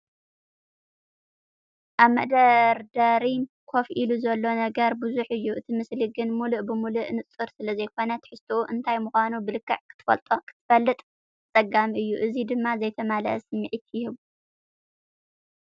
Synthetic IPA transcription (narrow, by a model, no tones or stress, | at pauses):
ʔaβmɐ̰ʔd̪ɐɾd̪ɐɾi | kʰo̞fʔiluzɐlːo̞nɐɡɐɾbuzuħɨjːuʔɨt̪ʰimɨsliɡɨnmuluʔbɨmuluʔnɨt͡sʼɨɾsɨlɐzɐjkʰo̞nɐt̪ʰħɨst̪ʰouʔɨnt̪ʰajmuxʷanubɨlɨkʰːɐ̰ʕkʰɨ̥t̪ʰːfɐ̰lt̪ʼkʰɨ̥t̪ʰɨfɐlːɨt̪ʼ | t͡sʼɐɡamʔɨjːuʔɨzid̪ɨmːazɐjt̪ʰɐmalɐsɨmːɨʕit̪jɪhɨβu